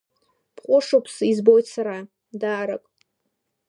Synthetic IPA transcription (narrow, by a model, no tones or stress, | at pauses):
pʰqʼʊʂopʰsizbojtʰʼsaɾa | daːɾakʼ